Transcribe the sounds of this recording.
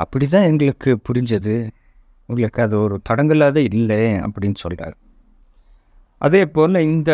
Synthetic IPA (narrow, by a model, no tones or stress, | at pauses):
ɐpːɐɽit̪̬ːãːɛŋɡɐɭɯkːɯpʊɾɪɲd͡ʒɐðɯ | ʊŋɡɐɭɯkːɯɐðɯɔɾɯt̪ɐɽɐŋɡɐlaːðɐɪɾɪlːeːɐ̰pːɐɽɪnːɯsɔlːɪra̰ːɣ | ʔɐ̰ðeːpoːlɐɪnd̪ɐ